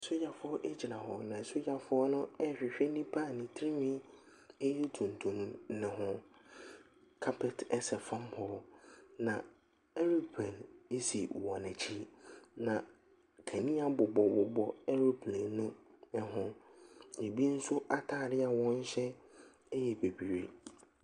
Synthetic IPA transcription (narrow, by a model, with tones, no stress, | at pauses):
ɛ˨so˦ja˨fʊ˦ɔ˦ʔɛ˦d͡ʑi˨ɾã˨ɦɔ˨nã˨ɛ˨so˦ja˨fʊ˦ɔ˦nʊ̃˦ɛ˦ɕᶣɪ˨ɕᶣɛ˦nĩ˦pʰa˦˨nĩ˨tʰi˦ĩ˦mĩ˦ | ɛ˦jɛ˦tʰũ˨n˨tʰũ˨m˦nɪ̃˨ɦʊ̃˨ | kʰa˦pʰɛ˨tɛ˦sɛ˨fã˦mhʰɔ˨nã˨ | ɛ˦ɾu˦pʰɛ˨ne˦si˨wɔ̃˨næ̃˨t͡ɕʰi˦nã˨ | kʰæ˨nĩ˦a˦bʊ˨bɔ˨bʊ˨bɔ˨ɛ˦ɾu˦pʰlɛ̃˨nʊ̃˦ɛ˨ɦʊ̃˦ | e˨bi˦n̩˦sʊ˦ʔa˦tʰaː˦˨ɾɪ˦a˨wɔ̃˦n̩˦ɕɛ˦ | jɛ˨be˨bi˨ɾe˨